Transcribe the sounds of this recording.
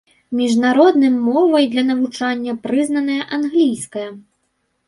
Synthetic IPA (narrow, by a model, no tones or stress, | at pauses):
mʲiʐnaɾɔd̪nɨmːɔvɐjd̪lʲɐnɐvut͡ʂanʲːɐpɾɨznɐnɐjɐʔanɣlʲijskɐjɐ